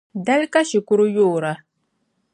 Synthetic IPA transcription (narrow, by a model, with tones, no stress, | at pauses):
da˦lka˦ʃi˨kʊ˦ɾʊ˦joː˦˨ɾa˨